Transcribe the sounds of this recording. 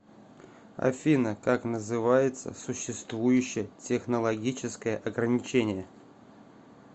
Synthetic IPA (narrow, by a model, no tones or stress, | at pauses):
ɐ̰fʲinəkaknəzɨvajɪt̪sə̰sʊɕːɪst̪vujʉɕːɪjətʲɪxnəlˠɐɡʲit͡ɕɪskəjəʔɐɡɾənʲɪt͡ɕenʲɪjə